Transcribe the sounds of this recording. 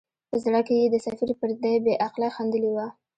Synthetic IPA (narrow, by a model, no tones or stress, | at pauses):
pəzɽakejed̪əsafiɾpəɾd̪ajbeʔaqlaxand̪əliwa